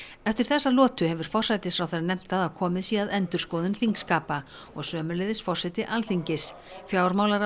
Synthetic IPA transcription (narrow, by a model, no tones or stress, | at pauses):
ɛft̪ɪɾ̥θɛsːalɔːt̪ʏhɛvʏɾ̥fɔr̥sajt̪ɪsfɾawθɛranɛm̥t̪θaðawkʰɔːmɪðsiːaðɛnt̪ʏɾ̥skɔːwðʏnθiŋkskaːpa | ɔɣsœːmʏlɛjðɪsfɔr̥sajt̪ɪʔalθiɲcɪs | fjaːwɾmaːwlaɾ